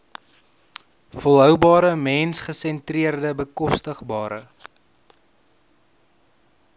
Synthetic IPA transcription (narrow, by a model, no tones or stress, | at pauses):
fɔlˠɦœwbɑːɾəmɛnsχəsɛntriərdəbəkɔstəχbɑːɾə̰